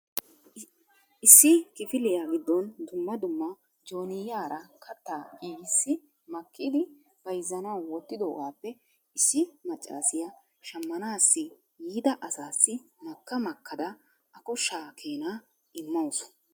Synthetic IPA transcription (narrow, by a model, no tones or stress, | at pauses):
ɪsːɪkɪfɪlɪjaːɡɪd̪ːɔnd̪ʊmːɐd̪ʊmːɐ | d͡ʒo̞ːnɪjaːɾɐkʰɐt̪ːaːɡiːɡɪsːɪ | mɐkːɪd̪ɪ | b̥ɐjzːɐnɐwwɔt̪ːɪd̪oːɡaːpːɛ | ɪsːɪmɐt͡ʃʼːa̰ːsɪjɐ | ʃɐmːɐnaːsːɪ | jiːd̪ɐʔɐsaːsːɪnɐkːɐmɐkːɐd̪ɐ | ɐkɔʃaːkʰe̞ːnaː | ʔɪmːɐwsʊ̥